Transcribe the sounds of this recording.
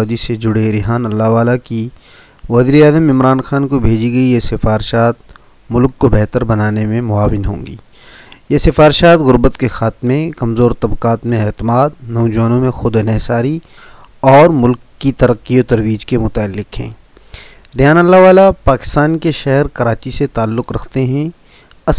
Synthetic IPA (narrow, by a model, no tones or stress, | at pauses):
d͡ʒised͡ʒʊɽeɾɪɦaːnɐlːaɦʋaːlaki | ʋɐziːɾeaːzəmɪmɾaːnxaːnkobʱeːd͡ʒiɡɐijesɪfaːɾɪʃaːt̪̚ | mʊlkːobɛɦt̪əɾbɐnaːnemẽmʊaːʋɪnɦõ̰ːŋɡḭː | jesɪfaːɾɪʃaːt̪ɣʊɾbət̪kexaːt̪mẽkɐmzoːɾt̪ɐbqaːt̪mẽɛːt̪ɪmaːd̪̚nɔːd͡ʒɐʋaːnõmẽxʊd̪nɛɦsaːɾi | ɔːɾmʊlkːit̪ɐɾəqːiot̪ɐɾʋiːd͡ʒkemʊt̪aːlːɪkɦɛ̰̃ː | ɾɪjaːnɐlːaʋaːlapaːkɪ̥st̪aːnkeʃɛɦɛɾkɐɾaːt͡ʃiset̪aːlːʊqɾɐkʰt̪eɦɛ̃ | ɐ